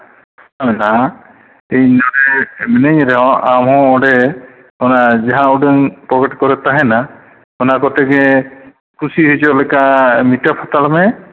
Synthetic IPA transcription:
amɛna | ejnɔɽemɛneɲɾɛɦɔ̃ʔamɦɔ̃ɔ̃ɖɛ | ɔnad͡ʒaɦãuɖəŋpɾɔkeʈkɔɾɛt̪aɦɛ̃na | ɔnakɔt̪ɛɡe | kʰusiɦɔjt͡ʃɔlɛkamiʈapʰat̪almɛ

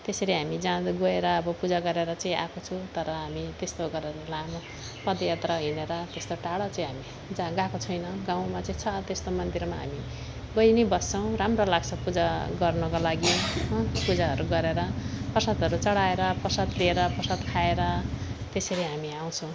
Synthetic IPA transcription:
t̪eseɾiɦamid͡zãd̪ɡoeɾʌːbʌpud͡zaɡʌɾeɾʌt͡saĩʔa̰kot͡sʰut̪ʌɾʌɦamit̪est̪oɡʌɾeɾʌlam | pʌd̪jʌt̪rʌɦineɾʌt̪est̪oʈaɽʌt͡sãĩɦami | d͡zãɡakot͡sʰʌjnʌɡãw̃mat͡sʌĩt͡sʰʌt̪est̪omʌnd̪irmaɦa̰mi | ɡʌjnebʌst͡sʰʌw̃ɾamrolaɡt͡sʰʌpud͡zaɡʌrnʌkolaɡiɦʌpud͡zaɦʌɾuɡʌɾeɾʌpʌsʌd̪ʌɾut͡sʌɽaeɾʌprʌsʌd̪lieɾʌpʌsʌd̪kʰaeɾʌt̪eseɾiɦamiaw̃t͡sʰʌ̃w̃

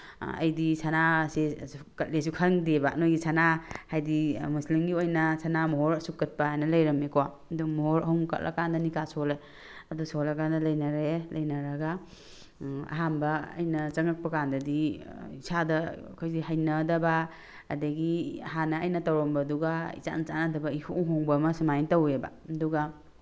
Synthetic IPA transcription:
ɐ̰jdisanasekɐt̚les̬ukʰɐɾŋdebanojɡisʰanahajdimuslimɡiojnɐsʰanamɔɦɔɾɐsukːɐt̚paajnɐlɐjɾɐmekɔwa | dumɔɦɔɾɐɦuŋkɐ̰t̚lʔa̰kandɐnikasɔlaj | ɐdusɔlakandɐlɐjnɐɾelɐjnɐɾɐɡa | ɐ̰ɦambɐɐ̰jnɐt͡ʃɐŋɐk̚pɐkandɐdiisadɐkʰojziɦajnɐdɐba̰ː | dɐɡiɦanaːjnɐtawɾɔmbɐduɡaḭsa̰nt͡ʃanatʰɐbɐihoŋɦɔŋbɐmɐsimajntaweba̰duɡa

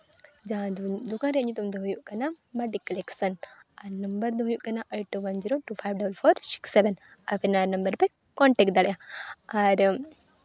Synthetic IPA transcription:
d͡ʒaɦãd̪ukãɾeɐɲut̪umd̪ɐɦujuʔkɐnamɐɖikːɐleksɐnaɾnɐmbɐɾd̪ɦujuʔkɐnaʔejʈːuʋɐnd͡ʒiɾoʈufʰajʋɖɐbəlfʰoːɾsi̥kseʋen | ɐpenaɾnɐmbəɾpe | kɔɳʈekd̪ɐɽjaaɾ

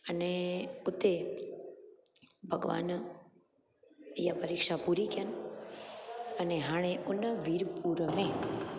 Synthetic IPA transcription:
əneʊt̪e | bʱəɡʋa̰ːn | japəɾikʂapuɾikjən | əneɦaːɭ̃eʔʊnːəʋiɾpuːɾəmẽ

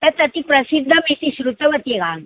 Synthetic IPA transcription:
t̪ət̪ɐt̪ipɾɐsid̪ʱːəmet̪iɕɾut̪əʋət̪eɡan

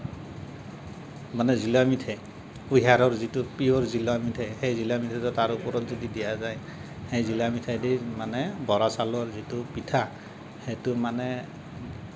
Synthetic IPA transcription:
manɛzilamitʰɛ | uɦaɾɔɹzitupiɔɹzilamitʰɛhejzilamitʰɛtɔtaɹupɔɹɔtzɔdidijazaj | hejzilamitʰadimanɛbɔɹasalɔɹzitʊpitʰa | hetʊmanɛ

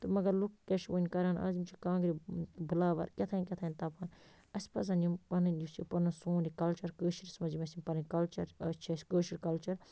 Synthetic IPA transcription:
t̪ɨmɐɡɐɾlukːeʃʋɐnʲkɐɾaːna̰ːzimt͡ʃʰikãːŋɡɾibɨlaːʋɐ̰ɾkʲet̪ʰainʲkʲet̪ʰaːinʲt̪apaːn | ɐsʲpɐs̬ɐnjimpɐnɨnjust͡ʃʰipɐnɨnsoːnikɐlt͡ʃɐɾkəːʃiɾismɐd͡ʒimɐsimʲpɐnɨnʲkɐlt͡ʃɐɾt͡ʃʰɐsʲkəːʃiɾkɐlt͡ʃɐɾ

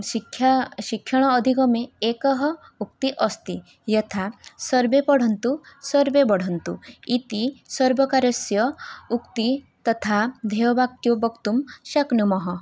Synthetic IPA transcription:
ikʰʃikʰjɔɽ̃ɔːd̪ʱikɔmeekɔɦɔukt̪iʔɔst̪i | jɔt̪ʰasɔɾbepɔɽ̤ɔnt̪usɔɾbebɔɽ̤ɔnt̪ṵit̪isɔɾbɔkaɾɔsjɔukt̪i | t̪ɔt̪ʰad̪ʱeɔbak̚jobɔkt̪umʃaknumɔɦɔ

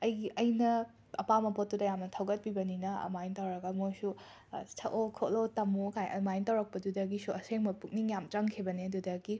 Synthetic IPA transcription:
ɐjɡiʔɐjnɐ | ɐpamɐpot̚ːudɐjamnɐtʰɐwɡɐt̚pibɐninɐ̰majntɐwɾɐɡɐmojsu | sʰɐʔokʰolotɐmukajɐ̰majntɐwɾɐk̚pɐdudɐɡisuɐseŋmɐpuk̚niŋjamt͡ʃɐŋkʰibɐneɐdudɐɡi

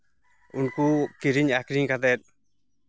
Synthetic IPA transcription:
unkukiɾiɲakɾiɲkad̪ɛt̪̚

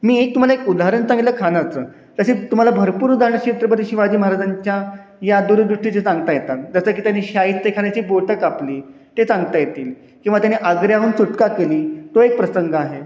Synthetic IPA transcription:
miːek̚t̪um̤alaekud̪aɾəɳsãŋɡitləkʰanat͡səː | t̪əɕet̪um̤alabʱəɾpuːɾud̪ʱaɾɳəɕet̪ɾəpət̪iɕiʋad͡ʑiːməɦaɾad͡zaɲt͡ɕjajad̪uɾd̪ɾuʂʈit͡set͡sãŋɡ̚t̪ajet̪at̪̚d͡zasəːk̬iːt̪janːiɕait̪d̪ekʰaɳjat͡ɕiːboʈəkapliː | t̪et͡sãŋɡt̪ajet̪iːl | kĩʋat̪janiʔəɡɾjaɦuːnt͡suʈkakeliːt̪oek̚pɾəsəŋɡəaɦe

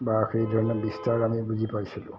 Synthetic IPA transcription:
baxejdʱɔɹnɔbistaɹamibuzipajsilʊ̰

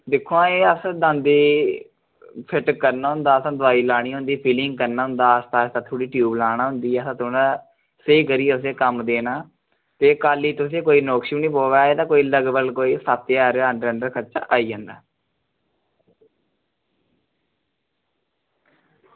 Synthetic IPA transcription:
d̪ɪkʰːoãːeːəsd̪ãːnd̪iː | pʰɪʈkəɾnaːɦʊ̃nd̪aːəsãːd̪ʊaːiːlaːɽ̃iːɦʊ̃nd̪iːpʰiːlɪŋɡkəɾnaːɦʊ̃nd̪aːəst̪aːst̪ãːt̪ʰʊːɽiːʈjuːblaːɽ̃ãːɦʊnd̪iːəsãːt̪ʰoːnãː | səiːkəɾiːʊs̬eːkəmd̪eːnaː | t̪eːkaːliːt̪ʊsẽːkoːiːnoːkʃiːnĩːpoːʋaːeːt̪ãːkoːiːləɡbəɡkoːiːsaːt̪eaːɾeaəɖɾə̃ɳɖəɾkʰət͡ʃa̰ːʔaːiːd͡ʒə̃ːnd̪a̰ː

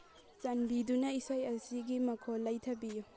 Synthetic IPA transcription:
t͡ʃɐnbidunɐisajɐsiɡimɐkʰolːɐjtʰɐbiju

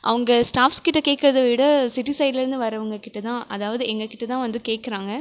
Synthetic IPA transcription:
ʔɐ̰ʋɐŋɡɐsʈaːfskɪʈːɐkeːʈkːɐɾɐðɯʋɪɽɐsɪʈisɐɪɖlɪɾɯnd̪ɯʋɐɾɐʋɐŋɡɐkɪʈːɐt̪ãːʔɐðaːʋɐðɯɛŋɡɐkɪʈːɐt̪ãːʋɐnd̪ɯkeːʈ̚kɪɾãːŋɡɐ

